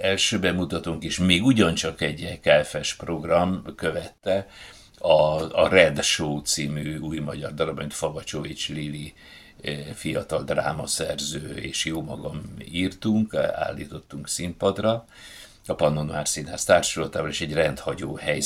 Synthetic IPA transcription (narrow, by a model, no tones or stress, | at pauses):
ɛlʃøːbɛmːut̪ɒt̪uŋkeːʃmeːɡuɟɒnt͡ʃɒkɛɟɛkɛɛfɛʃpro̞ɡrɒmkøvɛt̪ːɛ | ɒːrɛd̪ʃoːt̪siːmyːuːjmɒɟɒrd̪ɒlɒbmint̪fɒvɒt͡ʃovit͡ʃlili | fijɒt̪ɒld̪ra̰ːmɒsɛrzøːḛːʃjoːmɒɡɒmiːrt̪uŋka̰ːlːiːt̪o̞t̪ːuŋksimpɒd̪rɒ | ɒpɒnonaːrsiːnaːst̪aːrʃolɒt̪aːvɔleːʃɛɟrɛnt̪hɒɟoːhɛj